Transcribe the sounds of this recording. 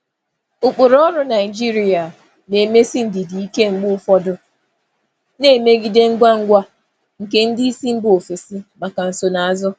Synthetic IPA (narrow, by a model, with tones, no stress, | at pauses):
ʊ˨k͡pʊ˨ɾɔ˦ɾʊ˦na˨ɪ˨d͡ʒi˦ɾi˨a˨ | ne˨me˦si˦n̩˨dɪ˨di˨i˦ke˦ŋ͡m̩˨ɡ͡bʊ˦ʊ˦fɔ˦dʊ˦ | ne˦˨me˦ɡi˦de˦ŋ̩˦ɡʷa˦ŋ̩˦ɡʷa˦ | ŋ̩˨ke˦n̩˦di˦i˦si˦ŋ͡m̩˦bo˨fe˨si˦ma˨ka˨n̩˨so˨na˨a˨zʊ˦